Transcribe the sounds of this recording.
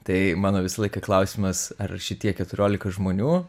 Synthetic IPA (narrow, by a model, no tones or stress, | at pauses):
t̪ɐɪmɑːnoːʋʲɪsɐlˠɐɪkɐklˠɐʊsʲɪmɐsɐrʃʲɪt̪ʲiɛkʲɛt̪ʊɾʲoːlʲɪkɐʒmoːnʲuː